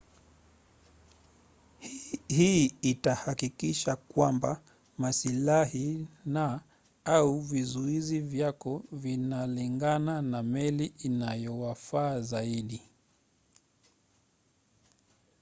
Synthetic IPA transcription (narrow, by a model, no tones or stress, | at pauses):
hiitahakikiʃakwamba | masilahina | auvizuizivjakɔvinaliŋɡananamɛliinajɔwafaːzaiɗi